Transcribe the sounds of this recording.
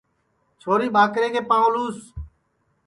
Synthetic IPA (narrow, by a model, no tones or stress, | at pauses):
t͡ʃʰoːɾiːɓaːkɾeːkʰeːpãːõluːs